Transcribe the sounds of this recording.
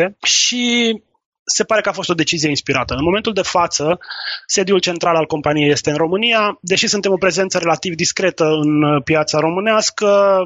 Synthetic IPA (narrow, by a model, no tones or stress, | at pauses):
eʃi | se̞paɾe̞kəafost̪od̪e̞t͡ʃizijeinspiɾat̪əɨnmoment̪uld̪e̞fat̪səse̞d̪jult͡ʃe̞nt̪ɾalalko̞mpanije̞je̞st̪e̞ɨnɾo̞mɨnijad̪e̞ʃisunt̪e̞mo̞pɾe̞ze̞nt̪səɾe̞lat̪ivd̪iskɾe̞t̪əɨnpjat̪saɾo̞mɨneaskə